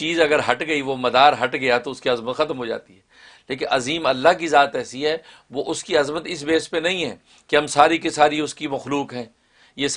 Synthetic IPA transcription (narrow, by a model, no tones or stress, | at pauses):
t͡ʃiːzɐɡəɾɦɐʈɡɐiʋomɐd̪aːɾɦɐʈɡɐjat̪oʊskiɐzmət̪xɐt̪mɦod͡ʒa̰ːt̪iɦɛː | leːk̬ɪ̃nɐziːmɐlːaɦk̬izaːt̪ɛːsiɦɛː | ʋoʔʊskiɐzmət̪ɪsbeːspenɐɦĩɦɛ̰̃ː | keɦɐmsaːɾikesaːɾiʊskimɐxluːkɦɛ̃ː | jes